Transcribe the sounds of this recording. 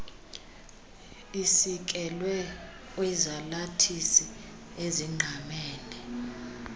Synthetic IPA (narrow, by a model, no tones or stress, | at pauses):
isik̬ʼɛlwɛ | wɛzalatʰisi | eziŋ͡ǃʱamɛːnɛ